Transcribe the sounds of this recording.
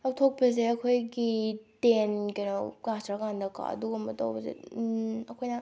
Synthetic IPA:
ak̚tʰok̚pɐs̬eɐkʰojɡitenkɐnokasʰɾakandɐka̰ɐ̰duɡɐmɐto̰wpɐzḛɐkʰojna

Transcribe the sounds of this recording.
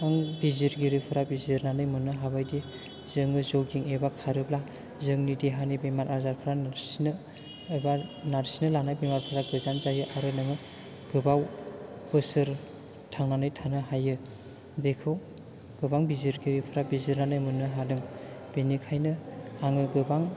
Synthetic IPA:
aŋbiziɾɡiɾipʰɯɾabiziɾnanɯjmɯnɯɦaβajdi | zɯŋɯzoɡiŋebakʰaɾɯbla | zɯŋnidiɦanibemaɾazaɾpʰɯɾanaɾsnɯ | banaɾsinɯlanajbemaɾpʰɯɾaɡɯzanzajɯʔaɾɯnɯŋɯ | ɡ̥ɯbaw | ɯsɯɾ | tʰaŋnanɯjtʰanɯɦajɯ | bekʰɯw | ɡ̥ɯbaŋbiziɾɡiɾipʰɯɾabiziɾnanɯjmɯnɯɦalɯŋb̥enikʰajnɯaŋɯɡɯbaŋ

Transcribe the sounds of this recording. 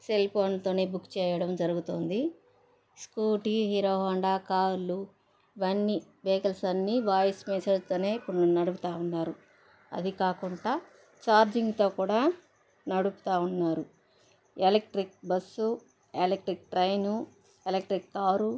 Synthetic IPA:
selpʰoːnt̪o̞ːne̞ːbukːt͡ʃɛːjɐɽɐmd͡ʒɐɾuɡut̪oːnd̪i | skuːʈiɦiːɾoːɦɐːɳɖaːkaːɾlu | iʋɐnːi | ʋeːkɐlsɐnːiʋaːjɐsmɛːsɐɽt̪o̞ːne̞ːipːuɽnunɐɽuput̪aːunːaːɾu | ɐ̰d̪ikaːkuɳʈaː | t͡ʃaːɾd͡ʒiŋɡt̪o̞ːkuːɽaː | nɐɽupu̥t̪aːunːaːɾu | elek̚ʈɾik̚bɐsːu | elek̚ʈɾik̚ʈɾɐjnu | elek̚ʈɾikːaːɾu

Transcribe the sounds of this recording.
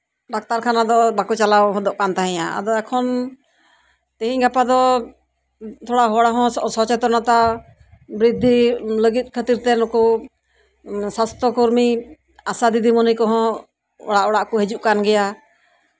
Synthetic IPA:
ɖak̚t̪aɾkʰanad̪ɔbakɔt͡ʃalawɦɔd̪ɔʔkant̪aɦɛ̃jaa̰d̪ɔɛkʰɔn | t̪ɛɦĩɲɡapad̪ɔ | t̪ʰɔɽaɦɔɽaɦɔ̃sɔt͡ʃɛt̪ɔɾnat̪a | bɾid̪ʱːiləɡit̪̚ˀkʰət̪iɾt̪ɛnɔkɔ | sast̪ɔkɔɾmi | asad̪id̪ʱimɔnəjkɔɦɔ̃ | ɔ̰ɽaʔɔɽaʔkɔɦed͡ʒuʔkanɡɛja

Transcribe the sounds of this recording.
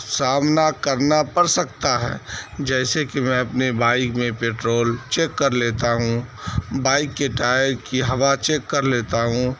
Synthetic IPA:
saːmnakɐɾnapɐɾsɐk̚t̪aɦɛ̰ːd͡ʒɛːsekimɛ̃ɐpnebaːɪkmẽpeːʈɾoːlt͡ʃeːkːɐɾleːt̪aɦũbaːɪkːeʈaːjəɾkiɦɐʋat͡ʃeːkːɐɾleːt̪aɦũ

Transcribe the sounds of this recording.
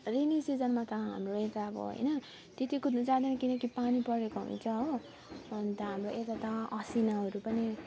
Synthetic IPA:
rinisid͡zʌnmat̪ʌɦa̰mroet̪aʌbʌ̰ɦʌ̰jnʌ | t̪et̪ikut̪nut͡sãːd̪enʌkinʌkipanipʌɾekoɦṵnt͡sʰʌɦo | ont̪ʌɦamroʔet̪at̪ʌʌsinaɦʌɾupʌni

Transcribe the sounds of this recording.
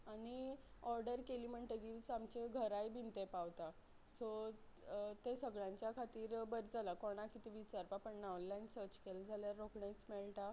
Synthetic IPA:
aɽ̃iɔɾɖəɾkeliːm̤əɳt̪eɡit͡samt͡ɕeɡʱəɾajbʱint̪epaʋt̪a | so | t̪esəɡɭãɲt͡ɕjakʰat̪iːɾbəɾd͡zʱalakoɽ̃akit̪iʋit͡ɕaɾpapəɳnawnlajnsəɾt͡ɕkeld͡zʱaljaɾːokɳẽsmɛɭʈ̪a

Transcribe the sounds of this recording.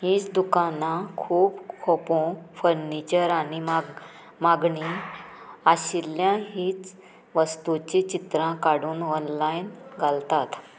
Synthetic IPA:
ɦiːt͡sd̪ukanakʰuːbkʰɔpõfəɾnit͡ɕəɾaɽim | maɡɳi | aɕiljãɦiːt͡s | ʋəst̪ut͡ɕit͡ɕit̪ɾãkaɽuːnɔnlajnɡʱalt̪at̪

